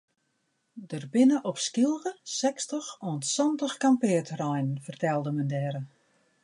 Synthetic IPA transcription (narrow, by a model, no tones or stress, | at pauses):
dərbɪnəʔɔpskilˠɣəsɛkstəxɔnsɔntəxkampɪːtrɔjnn̩fərtɛlˠdəməndɛːɾə